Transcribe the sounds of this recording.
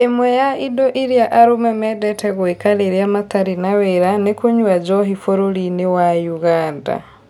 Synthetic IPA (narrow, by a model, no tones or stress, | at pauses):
emwɛjaidoʔiɾjaʔaɾumɛmɛdɛtɛɣwekaleɾiamat̪aɾinaweɾanekuɲwad͡ʒɔɦifoɾolinewajuɣaːnda̰